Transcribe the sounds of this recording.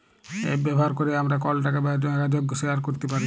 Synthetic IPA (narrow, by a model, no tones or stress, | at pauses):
ḛbɛbʱɔɦaɾkoɾeamɾakɔlʈakebɛd͡ʒɔaɡad͡ʒoɡseaɾkoɾt̪epaɾi